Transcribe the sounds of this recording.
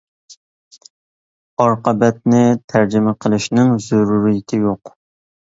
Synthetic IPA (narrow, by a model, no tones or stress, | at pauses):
ɑɾqəbɛt̪̚nɪt̪ʰæɾd͡ʒɪmɛqʰəlˠɨʃnɪŋzuɾuɾijɪt̪ʰɪjoq